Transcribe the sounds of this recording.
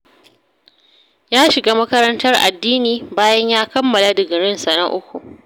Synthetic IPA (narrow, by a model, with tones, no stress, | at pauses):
jaː˦ʃɪ˨ɡaː˦mɐ˦kɐ˦ɾɐ˦ntɐ˦rʔa̰˨dːiː˦niː˨baː˦jɐ˦ɲjaː˦kɐ˦mːɐ˨la˦dɪ˨ɡɪ˨ɽɪ˦nsɐ˨nɐ˦ŋʔʊ˦kʷṵ˨ʔ